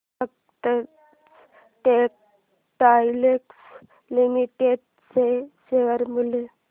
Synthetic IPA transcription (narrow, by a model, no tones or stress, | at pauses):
ək | t̪ə | ʈek̚ | ʈajleks | limiʈeɖ | seseəɾmule